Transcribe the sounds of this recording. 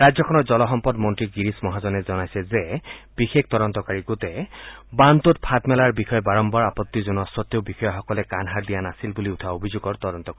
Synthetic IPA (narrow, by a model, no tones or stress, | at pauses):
ɹazɔkʰɔnɔɹzɔlɔxɔmpɔdmɔntɹiɡiɹismɔɦazɔnɛzɔnajsɛzɛb̥ixek̚ʰt̪ɔdɔnt̪ɔkaɹiɡotɛbant̪ut̚pʰatmɛlaɹbixɔjɔbaɹɔmbɔɹapɔt̪ːizunɔsɔt̪ːeʊbixɔjaxɔkɔlɛkanɦaɹd̪ijanasilbuliutʰaobʱizuɡɔɹt̪ɔdɔnt̪ɔkai